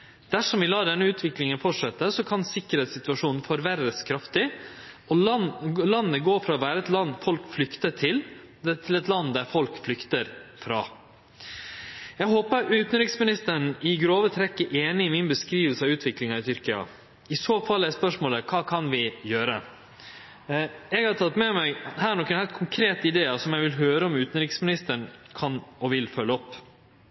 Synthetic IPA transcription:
d̪̥æʂɔmʋɪlɑːd̪ɛnːəʉːt̪ʰʋɪklɪŋənfɔʈʂɛt̪ːəsɔkʰɑnsɪkːəɾɛːt̪sɪt̪ʉɑʂuːnn̩fɔɾʋæɾəskʰɾɑft̪ɪ | ɔ | lɑnːəɡoːfɾɑːɔʋæːɾəɛt̪lɑnːfɔlkflʏkt̪əʈʰɪl | t̪ʰɪlɛt̪lɑnːd̪æɾfɔlkflʏkt̪əɾfɾɑ̰ː | jæɦoːpəɾʉːt̪nɾɪksmɪnɪst̪əɳɪɡɾoːʋət̪ʰɾɛkːəʔeːnɪɪmɪnbəskɾiːʋəlsəɑʉːt̪ʰʋɪklɪŋɑɪt̪ʰʏɾkɪɑ̰ | ɪsoːfɑlːæspœʂmoːləkʰɑːkʰɑnʋɪjøːɾə | ɛɡhɑɾt̪ʰɑt̪ːmɛmæɪhæːɳɔːkənhæɪlt̪kʰʊŋkʰɾeːt̪ɪd̪eːɑsɔmjæʋɪlɦøːɾəɔmʉːt̪ən̩ɾɪksmɪnɪst̪əɳkʰɑnɔʋɪlfœlːəɔpː

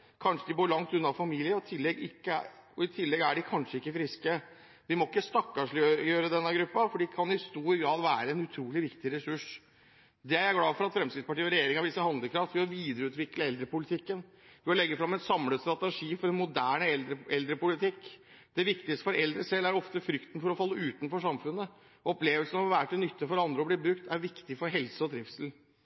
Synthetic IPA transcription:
kʰɑnʂəd̪ɪboːɭɑŋt̪ʉnːɑfɑmiːlɪəɔt̪ʰɪlːɛɡɪkːəɔɪt̪ʰɪlːɛɡæɖɪkʰɑnʂəɪkːəfɾɪskə | ʋɪmɔɪkːəst̪ɑkːɑʂøjøːɾəd̪ɛnːəɡɾʉpːɑfɔɖɪkʰɑnɪst̪uːɾɡɾɑːd̪ʋæːɾəɛnʉt̪ʰɾuːlɪʋɪkt̪ɪɾɛsʉʂ | d̪ɛæɾæɡlɑːfɔɾɑt̪fɾɛmskɾɪt̪spɑʈiːɔɾɛjeːɾɪŋɑʋd̪ɪsːəhɑnd̪əkʰɾɑft̪ʋɪɔʋiːd̪əɾəʉːt̪ʋɪkləɛld̪ɾəpʊlɪt̪ʰɪkːən | ʋɪɔlɛɡːəfɾɑmːɛt̪sɑmləst̪ɾɑt̪əʂiːfɔɾɛnmʊd̪æːɳəəɛld̪ɾəpʊlɪt̪ɪkː | d̪̥ɛʋɪkt̪ɪkst̪ə̥fɔɾɛld̪ɾəsɛlːæɾɔft̪əfɾʏkt̪n̩fɔɾɔfɑlːəʉːt̪nfɔʂɑmfʉnːə | ɔpleːʋəlsənɔʋæːɾəʈ̪ʰɪlnʏt̪ːəfɔɾɑnd̪ɾəɔbliːbɾʉkt̪ʰæɾʋɪkt̪ɪfɔɾɦɛlsəɔd̪ɾɪft̪sl̩

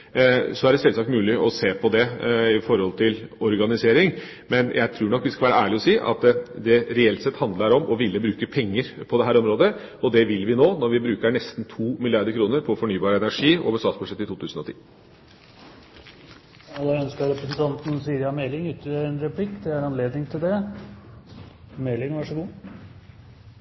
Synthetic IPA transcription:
sɔæɖɛsɛlsɑkt̪mʉːlɪʔɔseːpʰɔd̪ɛɪfɔɾhɔlt̪ʰɪlɔɾɡɑnɪseːɾɪŋ | mɛnjʔæɪt̪ʰɾuːɳɔkːʋɪskɑlʋæːɾəæːɭɪɔsiːʔɑ̰t̪d̪ɛɾɛɛlt̪sɛt̪ːhɑnd̪lɑəɾɔmʔɔʋɪlːəbɾʉːkəpʰɛŋːəɾpʰɔd̪ɛɦæːɾɔmɾoːd̪ə | ɔd̪ɛʋɪlʋɪnoːnɔɾʋɪbɾʉːkəɾɳɛst̪nt̪ʰuːmɪlɪɑɾd̪əɾkʰɾuːnəɾpʰɔfɔɳyːbɑːɾəɛnæʂiːo̰ːʋəʂsɑːt̪sbʉʂɛt̪ːɪt̪ʰuːt̪ʉːsn̩ɔt̪ʰḭː | ɑlːəœnskəɾɾɛpɾəsən̩t̪ʰɑnt̪n̩siːɾɪɑmɛlɪŋʉt̪ːəəɛnɾɛpʰlɪkːd̪ɛæɾɑnleːd̪nɪŋt̪ʰɪld̪ɛ | mɛlːɪŋʋɑʂəɡuː

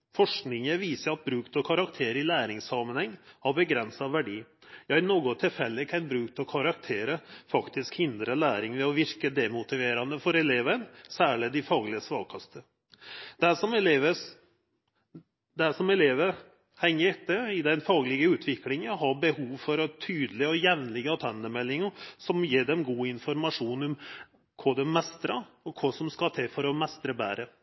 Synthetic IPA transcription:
fɔʂknɪŋəʋiːsəɾɑt̪̚bɾʉːkt̪ɔkʰɑɾɑkt̪ʰeːɾəɪlæːɾɪŋsɑmənhɛŋːhɑɾbəɡɾɛnsɑʋæɖiː | jæɪnoːɡʊt̪ʰɪlfɛlːɪkʰænbɾʉːk̚t̪ʰɔkʰɑɾɑk̚t̪ʰeːɾəfɑkt̪ɪskhɪnd̪ɾəlæːɾɪŋʋɛɔʋɪɾkəd̪ɛmʊt̪ɪʋeːɾɑnd̪əfɔɾɛleːʋənsæːɭɪd̪ɪfɑːɡlɪəsʋɑːkʰɑst̪ʰə | d̪̥æʂɔmɛleːʋə | d̪æʂɔmɛleːʋəɾ | hɛŋːəɾɛt̪ːəɾɪd̪ɛnfɑːɡlɪɡəʉːt̪ʰʋɪklɪŋənɦɑbəhuːʋfɔɾɔt̪ʰyːd̪əlɪɔjɛʋnlɪɡəɑt̪ʰɛnd̪əmɛlːɪŋəsɔmjeːɖɛmɡuːɪnfɔɾmɑʂuːnɔm | kʰɔd̪ɛmɛst̪ɾɑɔkʰɔsɔmskɑt̪ʰɛfɔɾɔmɛst̪ɾəbæːɾə

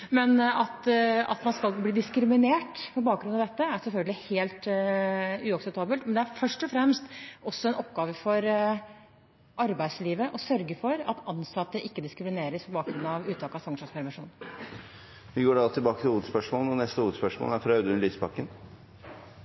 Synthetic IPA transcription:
mɛnɑt̪ɑ̰t̪mɑnskɑlbliːd̪ɪskɾɪmɪneːʈpʰɔbɑːk̚ɡɾʉnɑʋd̪ɛt̪ːəæɾsɛlfœlɡəlɪheːlt̪ | ʉːɑksɛp̚t̪ʰɑːbəlt̪mɛnd̪ɛæɾfœʂʈɔfɾɛmst̪ʔɔsːɔɛnʔɔpːɡɑːʋəfɔɾ | ʔɑɾbæɪd̪sliːʋəʔɔsœɾɡəfɔɾɑt̪ɑnsɑt̪ːəʔɪkːəd̪ɪskɾɪmɪneːɾəspʰɔbɑːkɡɾʉnɑʋʉːt̪ʰɑːkɑfɑŋʂɔspʰæɾmɪʂuːn | ʋɪɡoːɖɛɑt̪ɪlbɑːkət̪ɪluːʋəd̪spœʂmoːlnɔnɛst̪əhuːʋəd̪spœʂmo̰læɾfɾɑɑʉd̪əʉnlyːspʰɑkːən

